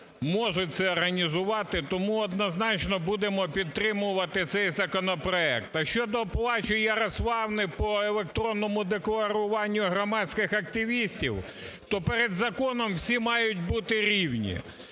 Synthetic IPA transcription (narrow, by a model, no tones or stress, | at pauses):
mɔʒʊt̚ʲt̪sɛɔrɦɐnʲizʊʋɑt̪ɪt̪ɔmuɔd̪nɐznɑt͡ʃnɔbud̪emɔpʲid̪̚t̪ːɾɪmʊʋɐt̪ɪt̪sɛjzɐkɔnɔpɾɔɛ̰k̚t̪ɐʃt͡ʃɔd̪ɔplˠɑt͡ʃʊjɐɾɐsʋˠɑwnɪpɔelˠek̚t̪ɾɔnːɔmʊd̪eklˠɐɾʊʋɑnʲːʊɦɾɔmɑt͡sʲkɪxɐk̚t̪ɪʋʲisʲtʲiw | t̪ɔpeɾed̪zɐkɔnɔmwsʲimɑjʊt̚ʲbut̪ɪɾʲiwnʲḭ